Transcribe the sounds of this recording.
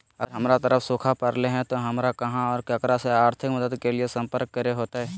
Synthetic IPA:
ɐ̰ɦɐmɾat̪ɐɾəfʰsoːkʰapɐɾleɦɛ̃t̪oɦɐmɾakɐɦãɔːɾkɐkɾaseaːɾt̪ʰɪkməd̪əd̪keliesɐ̃mpəɾkːɐɾeɦoːt̪aɦɛː

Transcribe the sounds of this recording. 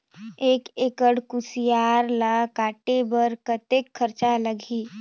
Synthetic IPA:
eːkeːkəɽkʊsijaːɾlakaːʈebəɾkət̪eːkʰːəɾt͡ʃaləɡʱiː

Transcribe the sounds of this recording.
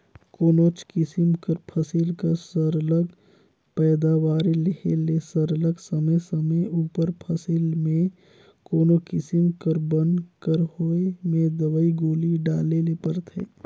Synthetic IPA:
koːnoːt͡ʃkɪsɪmkəɾpʰəsilkəɾsəɾələɡ | pɛːd̪aːwaːɾelɪɦelesəɾələɡsəməjsəməuːpəɾpʰəsɪlmẽ | koːnokɪsɪmkəɾbənd̪kəɾhoːemẽd̪əʋəiɡoːliɖaːlelepəɾt̪ʰḛː

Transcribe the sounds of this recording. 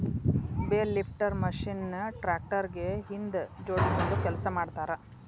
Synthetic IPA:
beːlipʰʈɐɾmɐʂinːɐʈɾaːk̚ʈɐɾɡeɦind̪d͡ʒoːɽiskoɳɖukɛlsɐmaːɖt̪aːɾe

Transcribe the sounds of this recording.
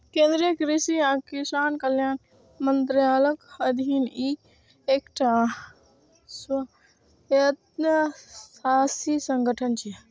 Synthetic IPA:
kẽːnd̪ɾijəkɾisiãkisaːnkəljaːn | mənt̪ɾijaːləkəd̪ʱini | ekʈʰa | s | et̪nsaːsisəŋɡəʈʰənt͡ʃʰi

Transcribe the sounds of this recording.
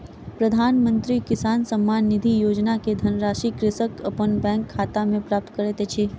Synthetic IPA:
pɾɐd̪ʱaːnmə̃nt̪ɾikɪsaːnsəmːaːnːɪd̪ʱijoːd͡ʒnaked̪ʱɐnɾaːʃikɾɪsəkəpənbɛ̃ːŋkʰːaːt̪amẽpɾaːp̚t̪kəɾeːt̪et͡ʃʰiː

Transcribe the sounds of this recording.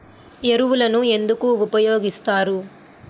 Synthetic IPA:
ɛɾɯʋɯlɐnũɛnd̪ɯkːuʊpɐjoːɣɪst̪aːɾɯ

